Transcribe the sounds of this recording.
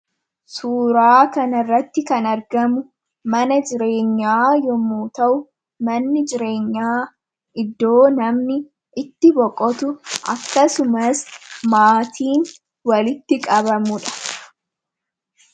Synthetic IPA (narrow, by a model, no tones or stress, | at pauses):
suːɾaːkɐnɐrːɐt̪ːɪkɐnɐɾɡɐmʊ | mɐnɐd͡ʒɪɾe̞ːɲːaːjɔmuːt̪ɐʔʊ | mɐnːɪd͡ʒɪɾe̞ːɲːaː | ʔɪd̪ːo̞ːnɐmnɪ | ʔɪt̪ːɪbɔkʼɔt̪ʊʔɐ̰kːɐsʊmɐsmaːt̪ʰiːn | wɐlɪt̪ːɪkʼɐβɐmʊᶑɐ̥